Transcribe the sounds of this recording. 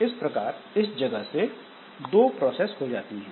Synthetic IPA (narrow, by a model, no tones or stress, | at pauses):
ɪspɾɐkaːɾɪsd͡ʒɐɡəɦse | d̪oːpɾɔːsɛːsɦod͡ʒaːt̪iɦɛ̃ː